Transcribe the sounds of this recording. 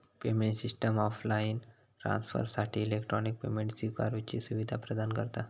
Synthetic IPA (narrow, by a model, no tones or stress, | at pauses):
pemeɳʈsisʈəmɔflain | ʈɾã̰nsfə̰ɾsaʈʰiːlekʈɾɔnik̚pḛmẽɳʈsika̰ɾut͡ɕisuʋid̪ʱapɾəd̪ankəɾt̪a